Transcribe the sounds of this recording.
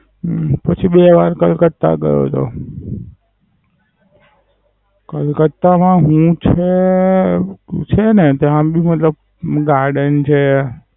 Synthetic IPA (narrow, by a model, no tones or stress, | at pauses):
pət͡ʃʰibeʋaɾkəlkət̪ːa̰kə̰jo̰t͡ʃʰo̰ | kəlkət̪ːamãɦũt͡ʃʰe | t͡ʃʰenet̪eɦãbimət̪ləb | ɡaɾɖənt͡ʃʰe